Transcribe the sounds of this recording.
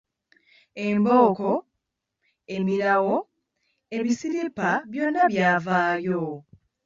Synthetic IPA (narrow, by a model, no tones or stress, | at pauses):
e̞mbo̞ːko | e̞miɾawo̞ | e̞βisiɾipaβjo̞nːaβjaːvaːɾjo